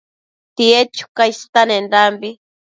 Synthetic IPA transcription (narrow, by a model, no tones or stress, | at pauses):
t̪iet͡ʃu̥kajst̪anenɾambi